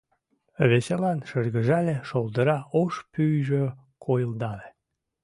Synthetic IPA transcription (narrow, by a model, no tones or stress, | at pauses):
βeselɑnʃərɣəʒɑleʃold̪əɾɑoʃpyjʒø | kʰojəld̪ɑle